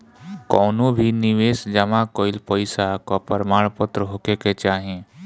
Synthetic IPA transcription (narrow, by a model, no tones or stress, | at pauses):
kɔːnõbʱinɪʋeːsd͡ʒɐmakoːɪlpəɪsakopəɾmaːɽ̃pʊt̪ɾəɦoːkeket͡ʃaːɦẽː